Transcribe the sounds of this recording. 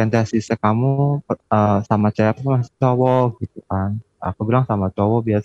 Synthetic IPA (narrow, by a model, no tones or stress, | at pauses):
ɛnt̪asisəkamuəːsamat͡ʃaakuamast͡ʃɔwɔɡit̪̚ukan | a̰kubilaŋsamat͡ʃɔwɔbiasa